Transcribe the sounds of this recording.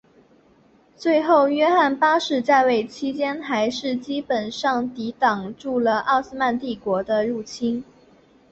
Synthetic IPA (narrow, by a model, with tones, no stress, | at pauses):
t͡swe˥˧ɪxo˥˩ʊɥɛ˥xa˥˩npa˥ʂɻ̩˥˩t͡sa˥˧ɪwe˥˩ɪt͡ɕʰi˧˥t͡ɕjɛ˥nxa˧˥ɪʂɻ̩˥˩t͡ɕi˥pə˨˩nʂɑ˥˩ŋt̪i˧˥t̪ɑ˨˩ŋʈ͡ʂu˥˩lə˩ʔɑ˥˧ʊs̩˥ma˥˧nt̪i˥˩kwɔ˧˥d̪ə˧ɻu˥˩t͡ɕʰi˥n